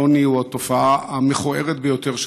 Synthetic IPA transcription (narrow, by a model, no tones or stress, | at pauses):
oniuat̪o̞faaameχoʔe̞ʁet̪̚bejo̞t̪e̞ʁʃ